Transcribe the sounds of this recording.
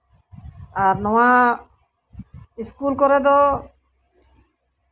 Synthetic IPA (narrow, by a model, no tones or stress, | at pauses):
aɾnɔwa | iskulkɔɾed̪ɔ